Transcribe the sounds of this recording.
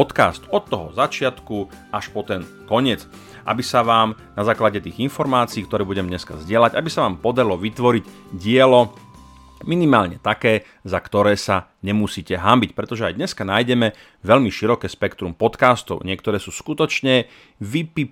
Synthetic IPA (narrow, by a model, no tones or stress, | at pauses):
ɔt̪ka̰ːst̪ɔt̪ːɔɦɔzat͡ʃɪat̪ku | aʃpɔt̪ɛn | kɔɲɪɛt͡s | ʔa̰bisaʋaːm | nazaːklaɟɛt̪iːɣinfɔɾmaːt͡siːkt̪ɔɾɛːbuɟɛmɲɛska̰zɟɪɛlaɟabisaʋaːmpɔd̪aɾilɔʋit̪ʋɔɾic | ɟɪɛlɔ | minimaːlɲɛt̪akɛː | zakt̪ɔɾɛːsa | ɲɛmusiːcɛɦambicpɾɛt̪ɔʒɛajd̪ɲɛskanaːjɟɛmɛ | ʋɛʎmiʃiɾɔkɛːspɛkt̪ɾumpɔt̪kaːst̪ɔ̰ʊɲɪɛkt̪ɔɾɛːsuːskut̪ɔt͡ʃɲɛ | ʋipi